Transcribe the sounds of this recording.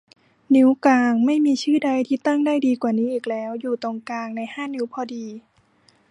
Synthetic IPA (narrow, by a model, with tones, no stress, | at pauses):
ni˦˥wkaː˧ŋma˥˩jmiː˧t͡ɕʰɯː˥˩da˧jt̪ʰiː˧˩t̪a˥˩ŋdaː˥˩jdiː˧kwaː˨˩niː˦˥ʔiː˨˩k̚lɛː˦˥wjuː˨˩t̪o˧ŋkaː˧ŋna˧jhaː˥˩nɯ˧˦˥wpʰɔː˧diː˧